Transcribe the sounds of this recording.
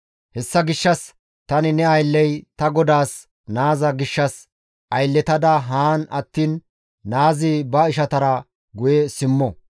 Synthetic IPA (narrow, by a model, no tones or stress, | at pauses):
hɛsːɐɡɪʃːɐs | t̪ɐnɪnɛɐjlːɛjt̪ɐɡɔd̪aːs | naːzɐɡɪʃːɐs | ʔɐjlːɛt̪ɐd̪ɐɦaːnɐt̪ːiːnː | aːzɪbɐɪʃɐt̪ɐɾɐ | ɡʊjɛsɪmːɔ